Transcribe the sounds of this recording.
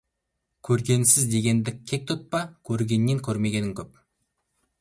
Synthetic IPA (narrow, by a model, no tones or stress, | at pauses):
kʲʰɵɾɡʲe̞nsɪzd̪e̞ɡʲe̞nd̪ɪk̚ʲʰːe̞k̚t̪ʰʊt̪̚pɑkʲʰɵɾɡʲe̞nːeŋkʲʰɵɾme̞ɡʲe̞nɪŋkʲʰɵp̚